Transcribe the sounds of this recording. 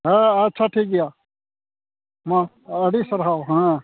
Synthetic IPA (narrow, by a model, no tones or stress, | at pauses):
ɦeətːt͡ʃʰaʈʰiːk̚ɡɪjaː | mã | əɽisəɾɦaːoɦãː